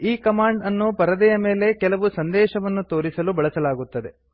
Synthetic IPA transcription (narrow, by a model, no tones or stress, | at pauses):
iːkɐmaːɳɖɐnːupɐɾɐd̪ɛjɐme̞ːle̞kɛlɐʋusɐnd̪ɛːʃɐʋɐnːut̪o̞ːɾisɐlubɐɭɐsɐlaːɡut̪ːɐd̪e̞